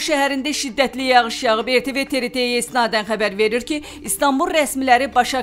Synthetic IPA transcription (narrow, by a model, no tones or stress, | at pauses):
ʃæɦæɾind̪æʃid̪ːæt̪lijɑʁɯʃjɑʁɯpe̞ɾt̪ʰe̞ve̞t̪ʰe̞ɾet̪ʰe̞ijæist̪inɑːd̪ænχæbæɾve̞ɾiɾci | ist̪ɑmbulˠɾæsmilæɾibɑʃɑ